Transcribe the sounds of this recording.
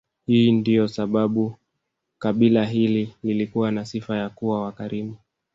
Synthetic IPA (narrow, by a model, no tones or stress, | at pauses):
hiːndijɔsaɓaɓu | kaɓilaɦilililikuwanasifajakuwawakaɾimu